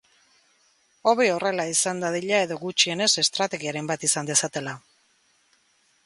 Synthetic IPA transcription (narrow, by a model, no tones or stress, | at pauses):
o̞βeo̞re̞laisand̪aðiʎae̞ðo̞ɣut͡ʃie̞ne̞se̞st̪ɾat̪e̞ɣiaɾe̞mbat̪isand̪e̞sat̪e̞la